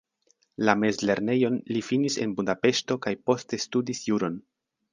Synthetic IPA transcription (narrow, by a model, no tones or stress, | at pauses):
lame̞zle̞ɾne̞jo̞nlifinise̞nbudape̞ʃto̞kajpo̞ste̞studisjuɾo̞n